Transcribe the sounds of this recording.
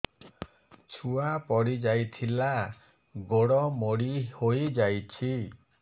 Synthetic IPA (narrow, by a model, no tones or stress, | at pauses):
t͡ʃʰuapɔɽid͡ʒajt̪ʰila | ɡoɽɔmoɽihojd͡ʒajt͡ʃʰi